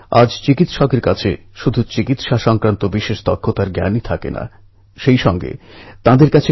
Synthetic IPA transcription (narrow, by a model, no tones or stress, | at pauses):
a̰d͡ʑt͡ɕikit̪ʃɔkeɾkat͡ɕʰe | ʃud̪ʱut͡ɕikit̪ʃaʃɔŋkɾant̪obiʃeʃt̪ɔkʰːot̪aɾɡɛ̰nit̪ʰakḛna̰ | ʃejʃɔŋɡḛt̪ãd̪eɾkat͡ɕʰe